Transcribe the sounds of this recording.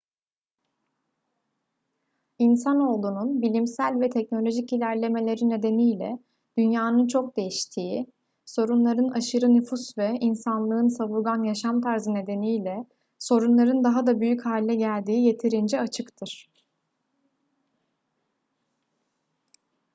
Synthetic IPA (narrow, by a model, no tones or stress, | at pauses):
insano̞lˠd̪uːnunbilʲimsælʲvɛt̪ʰɛc̚no̞lʲo̞ʒicilʲæɾlʲe̞me̞lʲe̞ɾine̞d̪e̞nijlʲɛ̰ | d̪̥ynjaːnɯnt͡ʃʰo̞k̚d̪e̞jiʃt̪ʰiːi | so̞ɾunlˠaɾɯnaʃɯɾɯnyfusvɛinsanlˠɯɯnsavuɾɡanjaʃamt̪ʰaɾzɯne̞d̪e̞nijlʲɛ | so̞ɾunlˠaɾɯnd̪aɦad̪abyjychaːlʲːɛɟælʲd̪iːje̞t̪ʰiɾind͡ʒɛat͡ʃʰɯkt̪ʰɯɾ̥